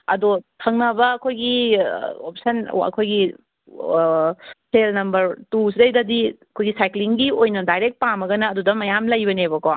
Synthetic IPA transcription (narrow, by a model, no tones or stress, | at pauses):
ɐdotʰɐŋnɐbɐɐkʰojɡi | op̚sɐnɐ̰kʰojɡi | selnɐmbɐɾtus̬idɐjdɐdiɐkʰojɡisajkliŋɡiojnɐdajɾek̚t̚pamɐɡɐnɐːdudɐmɐjamlɐjbɐneβɐko